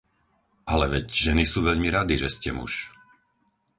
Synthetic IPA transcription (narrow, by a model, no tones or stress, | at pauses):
ʔalɛʋɛcʒɛnisuːʋɛʎmiɾad̪iʒɛscɛmṵʃ